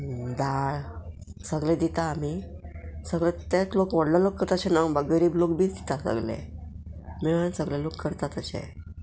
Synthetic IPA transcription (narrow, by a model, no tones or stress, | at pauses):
d̪aɭ | səɡlẽd̪it̪aːmi | səɡlet̪et͡slokʋəɽlalokːəɾt̪aəɕɛnabəɡəɾiːblok̚biːt͡sd̪i̥t̪asə̰ɡlḛ | miɭansəɡlelokːəɾt̪at̪əɕḛ